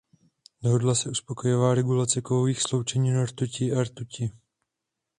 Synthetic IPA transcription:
doɦodlasɛuspo̞ko̞jovaːɾɛɡulat͡sɛkovoviːxslo̞wt͡ʃɛɲiːnoɾt̪ucɪaɾt̪ucɪ

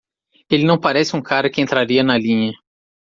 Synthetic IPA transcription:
elɪnɐ̃w̃paɾɛsɪũkaɾɐkɪẽnt̪ɾaɾiɐnɐlĩɲɐ

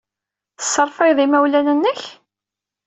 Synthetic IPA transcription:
θəsːəɾˤfɑjðˤimæwlænənːəç

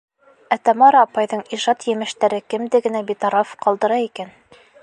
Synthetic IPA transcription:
æt̪æmɑɾɑpɑjðɤɴiʒɑt̪jɘ̆mɘ̆ʃt̪æɾɘkɘ̆md̪ɘɡɘ̆næbit̪ɑɾɑfqɑlˠd̪ɤ̆ɾɑikæn

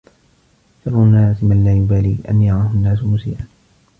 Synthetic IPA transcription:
ʃɑɾˤːʊnːaːsmanlaːjʊbaːliːʔa̰njɑɾˤɑːhʊnːaːs̬ʊmʊsḭːʔan

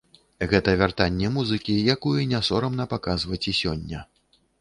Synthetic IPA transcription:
ɣɛt̪ɐvʲart̪anʲːɛmuzɨkʲijakujɛnʲasɔɾɐmnɐpakazvɐt͡sʲisʲɔnʲːɐ

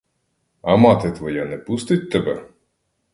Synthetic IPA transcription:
ɐmɑt̪ɛt̪ʋɔjanɛpust̪ɪt̚ʲt̪ebɛ̰

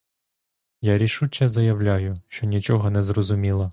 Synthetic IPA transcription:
jaɾʲiʃut͡ʃʲɛzɐjɐwlʲajʊʃt͡ʃɔnʲit͡ʃɔɦɔnɛzrɔzʊmʲilˠɐ

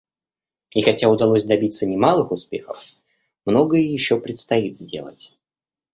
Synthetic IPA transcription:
ixɐtʲaʊd̪ɐlˠosʲd̪ɐbʲit̪sənʲɪmalˠɨxʊspʲe̞̰xə̰f | mno̞ɡəjəjɪɕːopɾʲɪt̪st̪ɐit̪zʲdʲe̞̰lˠə̰tʲ

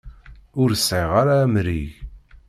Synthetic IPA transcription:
ʊɾəsʕiʁaɾaːmɾiʝ

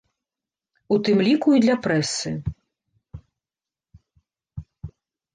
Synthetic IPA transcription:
ut̪ɨmlʲikuid̪lʲɐpɾɛsɨ

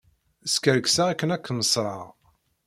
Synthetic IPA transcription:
əskəɾəksæækːənækːnəsˤɾˤɑ̰ʁ

